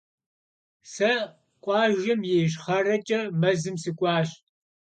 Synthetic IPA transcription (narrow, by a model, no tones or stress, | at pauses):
sɐ | kʷʼɑːʒɪmjeːʃχɐrɐt͡ʃʼɐmɐzɨmsɨkʷʼɑːɕ